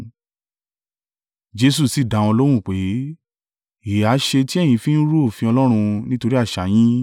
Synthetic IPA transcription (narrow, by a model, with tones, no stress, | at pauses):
d͡ʒe˧s̬u˦˨si˨dã˨˦w̃ɔ̃˧lo˦w̃ũ˦˨k͡pe˨˦ | e˨a˨˦ʃe˧ti˦ɛ˦˨j̃ĩ˧fi˦n̩˦ɾu˦o˦˨fĩ˧ɔ˧lɔ˦ɾ̃ũ˧nĩ˦to˧ɾi˦a˦˨ʃa˨˦j̃ĩ˦